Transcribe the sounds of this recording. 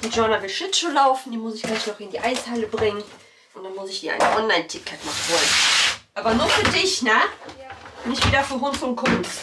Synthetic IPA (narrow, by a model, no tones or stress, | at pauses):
d̥iʒ̥ɔɐnɐvɪlʃɪt͡ʃolaʊfn̩d̥iːmʊsɪçɡ̥laɪçnɔχɪndiːʔaɪshaləbʁɪŋən | ʔʊntd̥anmʊsɪçd̥iːa̰ɪnʔɔnlaɪntʰɪkʰɛtnaχv̥ɔlənʔaːbɐnuːɐfyːɐdɪçnə | nɪçtv̥iːdɐfyːɐɦʊnsʊntkʰʊns